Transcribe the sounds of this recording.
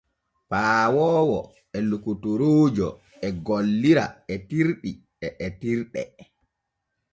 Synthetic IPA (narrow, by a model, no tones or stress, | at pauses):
paːwɔːwɔ | ɛlukutuɾoːd͡ʒɔ̰ | ɛɡolːiɾa̰ɛtiɾɗi | ɛʔɛtiɾɗɛ̰